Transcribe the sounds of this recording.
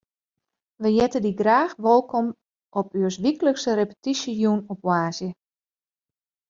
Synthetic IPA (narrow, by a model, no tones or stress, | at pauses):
ʋəjɛtədiɡraːxʋolˠkɔm | ʔɔpyəsʋikələksərepə̥tisəjunɔpwaːsjə